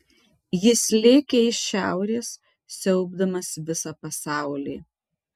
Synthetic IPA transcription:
jɪsʲlʲeːkʲeɪʃʃʲæˑʊɾʲeːs | sʲɛʊbd̪ɐmɐsʋʲɪsɐpɐsɑˑʊlʲḭː

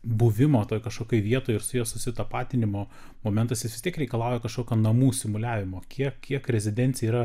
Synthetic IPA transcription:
bʊʋʲɪmoːt̪oːjkɐʃkoːkʲoɪʋʲiɛt̪oːjɪrsʊjɛsʊsʲɪt̪ɐpɑːt̪ʲɪnʲɪmoː | moːmʲɛnt̪ɐsjɪsʋʲɪst̪ʲiɛkɾʲɛɪkɐlˠɑˑʊjɛkɐʃkoːkʲuːnɐmuːsʲɪmʊlʲæːʋʲɪmoːkʲiɛkkʲiɛkɾʲɛzʲɪd̪ʲɛnʲt͡sʲɛiːɾɐ

